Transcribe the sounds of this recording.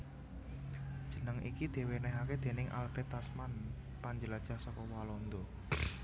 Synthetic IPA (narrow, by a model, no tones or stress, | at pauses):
d̥ʒ̥ə̤nəŋḭkid̪̥e̤wenɛɦaked̪̥e̤nɪŋʔa̰lb̥ɛ̤t̪asman | paɲd͡ʒəlad̥ʒ̥ahsɔkɔwalɔnd̪o